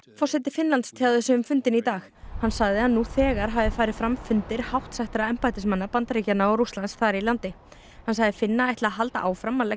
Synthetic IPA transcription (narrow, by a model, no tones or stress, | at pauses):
fɔrsɛt̪ɪfɪnlant̪st̪ʰaðʏsʏʏmfʏnt̪ɪnit̪aːxhanːsaɣðɪhanːuθɛːɣaɾ̥ɦavðɪfaːjɾɪfɾamfʏnt̪ɪɾ̥hawht̪saht̪ɪɾaɛmpajt̪ɪsmanːapant̪aɾicanaaɾust̪lant̪sθaɾilant̪ɪ | hansaɣðɪfɪnːaajt̪laːɦalt̪a̰ʔaːwfɾamːalɛ